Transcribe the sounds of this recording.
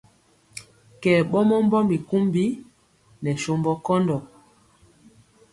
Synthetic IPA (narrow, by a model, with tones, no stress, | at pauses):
kɛ˨ɓɔ˦mɔ˦m˦bɔ˦mi˨ku˦mbi˦ | nɛ˨ʃo˦mbɔ˦kɔ˦ndɔ˨